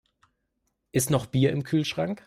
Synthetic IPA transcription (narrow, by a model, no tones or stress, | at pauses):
ʔɪstnɔχb̥iːɐʔɪmkʰyːlʃʁ̥aŋk